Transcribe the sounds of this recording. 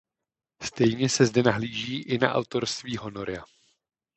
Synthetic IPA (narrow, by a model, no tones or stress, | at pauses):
st̪ɛjɲɛsɛzdɛnaɦliːʒiːʔɪna̰ʔa̰wt̪o̞ɾst̪viːɦo̞no̞ɾɪa